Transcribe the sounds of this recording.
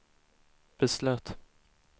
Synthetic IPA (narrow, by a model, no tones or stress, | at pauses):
b̥ɛslœːt̪